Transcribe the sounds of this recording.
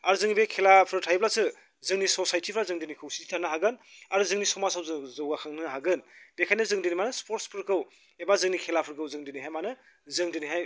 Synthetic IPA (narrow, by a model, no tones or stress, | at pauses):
aɾzɯŋibekʰelapʰɯɾtʰajblasɯ | zɯŋnisosajtʰipʰɾazɯŋdinikʰɯwsitʰi̥tʰanɯɦaɡɯnaɾuzɯŋnisɔmasawzɯzɯwɡakʰaŋnɯɦaɡɯnbekʰajnɯzɯŋdinimanɯspoɾtspʰɯɾkɯw | ebazɯŋnikʰelapʰɯɾkʰɯwzɯŋdiniɦajmanɯ | zɯŋdiniɦaj